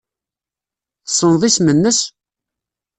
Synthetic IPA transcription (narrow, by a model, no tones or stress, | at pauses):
θsˤːənðˤismənːəs